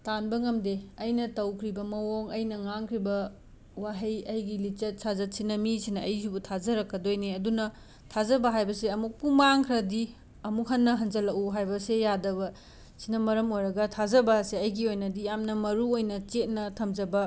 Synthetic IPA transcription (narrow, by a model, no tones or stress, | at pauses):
tanbɐŋɐmdeɐjnɐtɐwkʰɾibɐmɐwoŋɐjnɐŋaŋkʰɾibɐ | waɦɐjɐjɡilit͡ʃɐt̚sazɐt̚sinɐmisinɐːjsubutʰazɐɾɐkːɐdojneɐdunɐ | tʰazɐbɐɦajbɐseɐmuk̚pumaŋkʰɾɐdi | ɐmuk̚ɦɐnːɐɦɐnd͡ʒɐlɐkuɦajbɐsejadɐβɐ | si̥nɐmɐɾɐmojɾɐɡɐtʰazɐbɐseɐjɡiojnɐdijamnɐmɐɾuojnɐt͡ʃet̚nɐtʰɐmd͡ʒɐbɐ